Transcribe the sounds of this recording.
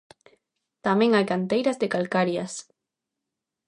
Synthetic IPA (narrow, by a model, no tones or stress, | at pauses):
t̪amẽŋajkant̪ejɾazðekalkaɾjas